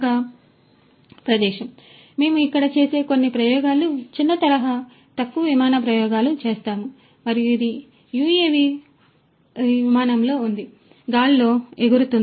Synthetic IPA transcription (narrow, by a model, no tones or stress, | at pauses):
ɡaː | pɾɐd̪ɛːʃɐm | me̞ːmuikːɐɽɐt͡ʃe̞ːse̞ːko̞nːipɾɐjɔːɡaːlut͡ʃinːɐt̪ɐɾɐɦa | t̪ɐkːuʋɐʋimaːnɐp̬ɾɐjɔːɡaːlut͡ʃe̞ːst̪aːmu | mɐɾijuid̪i | juːeːʋi | ʋimaːnɐmlo̞ːund̪i | ɡaːllo̞ːeɡuɾut̪un